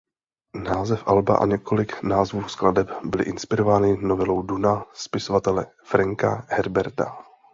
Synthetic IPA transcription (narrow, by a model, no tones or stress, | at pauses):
naːzɛfʔalba̰ʔa̰ɲɛko̞lɪknaːzvuːskladɛpbɪlɪ̰ʔɪnspɪɾo̞vaːnɪnovɪlo̞wdunaspɪsovat̪ɛlɛfɾaŋkahɛɾbɛɾt̪a̰